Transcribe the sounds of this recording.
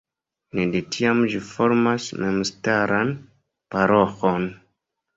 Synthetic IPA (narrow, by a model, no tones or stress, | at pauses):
nedetiamʒifoɾmasmemstaɾan | paɾoxon